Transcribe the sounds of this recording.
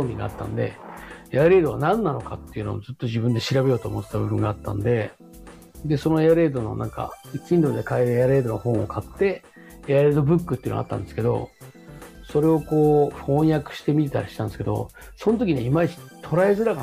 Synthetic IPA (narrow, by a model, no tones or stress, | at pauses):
omʲḭ̃ŋɡa̰a̰t̪ːã̰nd̪e̞̰eaɾe̞ːd̪o̞βanãnːano̞ka̰t̪ːe̞iɯ̟no̰ːzɨt̪ːo̞ʑibɯ̟̃nd̪e̞ɕiɾabe̞jo̞ːt̪oːmo̞t̪ːet̪abɯ̟bɯ̟̃ŋɡaːt̪ːã̰nd̪e̞ | d̪e̞so̞no̞eaɾe̞ːd̪o̞no̞̰nʔã̰ŋka̰kʲĩnd̪o̞kːid̪ekaeɾɯjaɾe̞ːd̪o̞nohõ̞ɰ̃okʰat̪ːe̞ | eaɾe̞ːd̪o̞bɯ̟kːɯt̪ejɨ̰no̰a̰t̪ːã̰nd̪e̞sɨ̥ke̞d̪o̞̰ | so̞ɾe̞o̞ko̞ːɸõ̞ɰ̃jakɯ̟̥ɕi̥t̪e̞mʲit̪̬e̞t̪aɾiɕi̥t̪and̪ske̞d̪o̰ | so̞not̪̬o̞kʲiɲeimat̪ʰo̞ɾae̞zɨɾaka